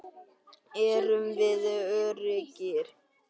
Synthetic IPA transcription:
ɛɾʏmvɪðœɾɪcɪɾ

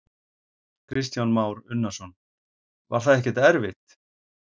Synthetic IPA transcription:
kʰɾɪst̪janmaːwɾʏnːasɔn | va̰ɾ̥θaðɛhcɪt̪ɛɾvɪt̪

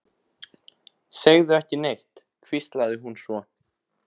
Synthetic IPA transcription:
seɣðʏɛhcɪnejht̪ | kʰvist̪laðɪɦunsvɔ

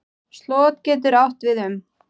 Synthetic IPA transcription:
st̪lɔːt̪̚cɛːt̪̬ʏɾawht̪vɪðhʏm

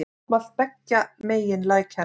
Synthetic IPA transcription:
maθpɛkːamejɪnlajcʰa

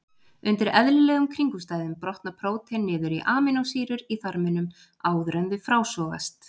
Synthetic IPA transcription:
ʏnt̪ɪɾɛðlɪlɛːɣʏmkʰɾiŋkust̪aːjðʏmpɾɔht̪napʰɾoːwt̪ʰɛnːɪːðʏɾiʔaːmɪnawsiːɾʏɾiθaɾmɪnʏm | aːwðɾœnðʏfɾaːwsɔːɣa̰st̪

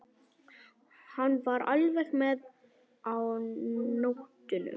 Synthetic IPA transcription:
hanːvaɾa̰lvɛxmɛð | awnowht̪ʏnʏ̰

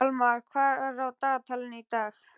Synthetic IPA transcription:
lmaɾkʰwaɾɔwt̪at̪ʰɐlnit̪ak

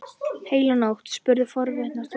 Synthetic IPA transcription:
heːjlanawht̪spʏɾðɪfɔɾvɪt̪nast̪

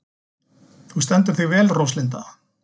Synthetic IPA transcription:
θust̪ɛnt̪̬ʏɾ̥θivɛːlrowslɪnt̪a

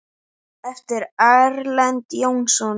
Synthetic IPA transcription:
ɛft̪ɪɾaɾlant̪jownsɔn

